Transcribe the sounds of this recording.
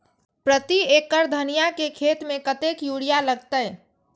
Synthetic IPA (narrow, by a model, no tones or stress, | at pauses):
pɾət̪iekːəɾd̪ʱənijakekʰet̪mẽkət̪ekjuɽijaləɡ̚t̪əj